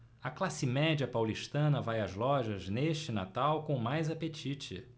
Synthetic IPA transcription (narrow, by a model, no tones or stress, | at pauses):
ɐklasɪmɛd͡ʒɐpawliʃt̪ɐ̃nɐvajɐzlɔʒɐzneʃt͡ʃɪna̰t̪awkõmajzapet͡ʃit͡ʃɪ̰